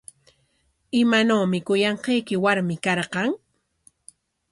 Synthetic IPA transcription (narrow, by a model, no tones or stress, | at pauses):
ɪmanawmɪkʊjɑɴqɑjkɪwaɾmɪkɑɾqɑŋ